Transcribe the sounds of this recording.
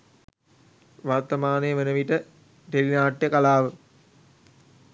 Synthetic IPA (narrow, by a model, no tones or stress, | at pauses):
ʋart̪əmaːnəjəʋenəʋiʈə | ʈelinaːʈjəkalaːʋə